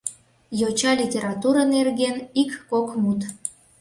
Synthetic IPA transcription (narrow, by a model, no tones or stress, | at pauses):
jot͡ɕɑlʲitʲeɾɑt̪uɾənerɣenikːokmut̪